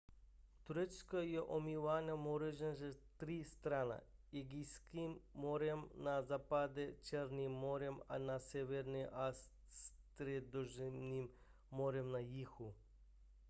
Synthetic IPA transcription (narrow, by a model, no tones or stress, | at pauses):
t̪uɾet͡ʃkajɛʔomivanamoɾeʒenʒet̪ɾist̪ɾana̰eɡiskimːoɾɛmnazapad̪ɛt͡ʃɛɾnimːoɾɛma̰nasɛʋɛɾniʔas | st̪ɾɛd̪oʒnimː | oɾɛmnajixu